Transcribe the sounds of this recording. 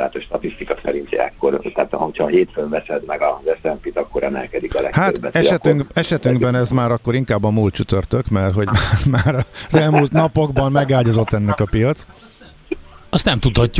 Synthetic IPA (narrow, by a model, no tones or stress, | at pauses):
a̰ːt̪oʃt̪ɒt̪ist̪ikɒsɛɾint̪ɛ̰kːo̞rt̪aːt̪ocʰhɒɦeːt̪føɱvɛsɛd̪mɛɡɒzɛsɛmpit̪ɒkːo̞ɾʔɛmɛ̰lkɛd̪ikɒlɛ̰haːt̪bːɛt̪ɛʃɛt̪yŋkɛʃɛt̪yŋɡbɛnɛzmaːɾɒkːo̞ɾiŋkaːbːɒmuːlt̪t͡ʃyt̪ø̞rt̪ø̞kmɛrɦo̞ɟmamaːɾɒzɛlmult̪nɒpo̞ɡbɒmːɛɡaːlɟɒzo̞t̪ːɛnːɛkɒpijɒt̪s | ɒst̪nɛmt̪ut̪hɒcːu